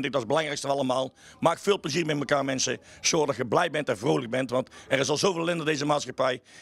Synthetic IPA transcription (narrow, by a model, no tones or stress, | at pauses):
ntɪk̚dɑtzbəlɑŋrɛjkstəʋɑlˠəmaːlˠ | maːkfɪːlˠpləziːrmɛtməkaːrmɛnsəsoːrdɑtxəblɛjbɛntɛnvroːwləɡ̚bɛntʋɑntɛrɪsɑlˠzowvɪːlɪndədejzəmaːtsxɑpɛj